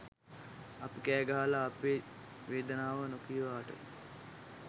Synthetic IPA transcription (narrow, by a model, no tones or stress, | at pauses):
ɐpikæːɡaɦalaːpeː | ʋeːd̪ənaːʋənokiʋaːʈə̰